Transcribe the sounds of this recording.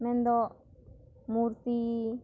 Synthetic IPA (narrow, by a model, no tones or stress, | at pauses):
mẽnd̪o | muɾt̪i